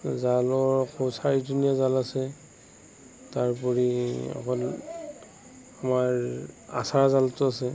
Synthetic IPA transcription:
zalɔɹkʰɔsaɹituniazalasɛ | taɹpɔɹiɔ̰kɔl | amaɹa̰saɹazaltʊasɛ

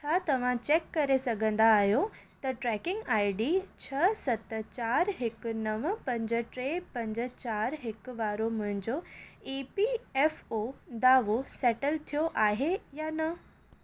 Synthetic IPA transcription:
t͡ɕʰaːt̪ɐʋ̤ãt͡ɕeːkːɐɾesɐɡʱə̃nd̪aːɦijot̪ɐʈɾɛːkɪ̃ŋɡaːɪɖit͡ɕʰɐsɐt̪t͡ɕaːɾɦɪkʊ̆nɐʋpɐ̃ɲd͡ʑə̆ʈɾeːpɐ̃ɲd͡ʑə̆t͡ɕaːɾɦɪkʋaːɾomʊ̃ɦɪ̃ɲd͡ʑoiːpiɛːfod̪aːʋosɛːʈəlt̪ʰijoʔaːɦejaːnɐ

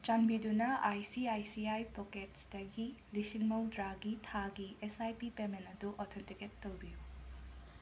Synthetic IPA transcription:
t͡ʃɐmbidunɐʔajsiajsiajpoket̚sd̥ɐɡilisiŋmowdɾaɡitʰaɡiesajpipemenɐduʔɔt̪ʰentiketːowbiju

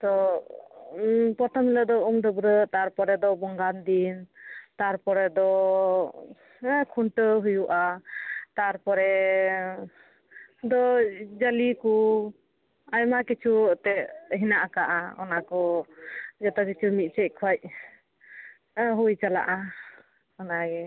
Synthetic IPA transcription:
t̪ɔ | pɔt̪ʰɔmiləd̪ɔumd̪ɔbɾət̪aɾpɔɾɛd̪ɔbɔŋɡand̪int̪aɾpɔɾɛd̪ɔ | kʰuɳʈəɦujuʔat̪aɾpɔɾɛ | d̪ɔd͡ʒəliku | ajmakit͡ʃʰut̪ɛʔɦinaʔakaʔaɔ̰nakɔ | d͡ʒɔt̪ɔk̬it͡ʃʰumit̪̚t͡ʃɛc̚kʰɔj̚ | ɦujt͡ʃala̰ʔa | kanaɡɛ

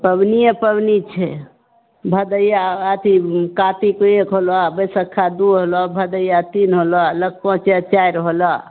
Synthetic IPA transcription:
pəbnijepəbnit͡ʃʰɛ | bʱəd̪əjaət̪ikat̪ikoekɦolabəsəkʰːad̪uɦolɔbʱəd̪əjat̪inɦolalək̚pɔ̃t͡ʃet͡ʃaiɾɦolɔ

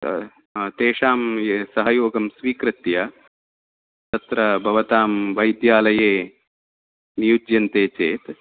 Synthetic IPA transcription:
t̪eːʂaːmsɐɦɐjoːɡɐmsʋiːkɾɨt̪jɐ | t̪ɐt̪ɾɐbʱɐʋɐt̪aːmʋɐjd̪jaːlɐjeː | nijud͡ʒjɐnt̪eːt͡ʃeːt̪

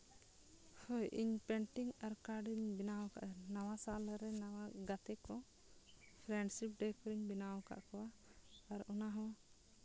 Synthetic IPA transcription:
hɔjʔḭɲpɛɳʈiŋɡaɾkaɾɖiɲbinawɔka̰ʔnawasalɾɛnawaɡat̪ɛkɔ | pʰɾɛɳɖsip̚ɖɛkɔɾiɲbinawɔka̰ʔkɔwaː | ɾunaɦɔ̃wa

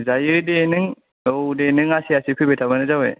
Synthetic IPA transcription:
zajiɾidenɯŋ | owdenɯŋasiasipʰibetʰabanɯzawḛ

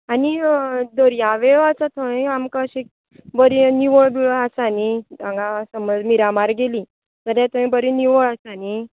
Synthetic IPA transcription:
anid̪əɾjaʋeɭat͡sat̪ʰəɳĩamkəɕek̚ | bəɾiniʋəɭbiɭasaniãŋɡãsəməd͡zmiɾamaɾɡeli | d͡zəɾjat̪əmĩbəɾiniʋəɭasani

